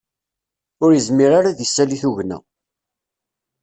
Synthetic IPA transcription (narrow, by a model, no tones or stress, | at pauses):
ʊɾjəzmiɾaɾaðisːæliθuʝnæ̰